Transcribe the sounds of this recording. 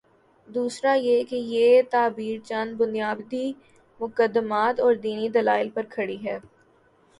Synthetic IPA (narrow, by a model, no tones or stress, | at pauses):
d̪uːsɾajekejeːt̪aːbiːɾt͡ʃɐnbʊnijaːbd̪i | mʊkəd̪ːəmaːt̪ɔːɾd̪iːnid̪ɐlaːɪlpɐɾkʰɐɽiɦɛː